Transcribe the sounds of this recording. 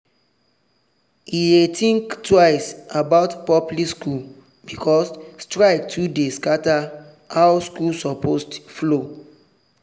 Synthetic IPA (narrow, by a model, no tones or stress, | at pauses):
idetʰĩŋktwaɪsabaʊtpɔpliskul | bikʰɔsstɹaɪk̚tʰudeskata | hawskulsɔpostflo